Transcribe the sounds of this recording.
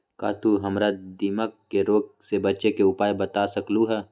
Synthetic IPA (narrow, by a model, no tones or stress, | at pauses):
ka̰ːt̪uɦɐmɾad̪iməkːeɾoːk̚sebətːt͡ʃekeʊpaːjbət̪asəkluɦɛː